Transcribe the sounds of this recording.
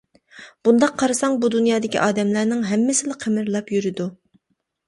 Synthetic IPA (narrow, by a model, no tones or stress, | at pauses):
b̥und̪ɑqʰːɑɾɨsɑŋbud̪unjɑːd̪ɪkʲḭʔɑːd̪ɛmlæɾnɪŋɦɛmːɪsɪlɪqʰemɪɾlˠɑpjyɾɪd̪u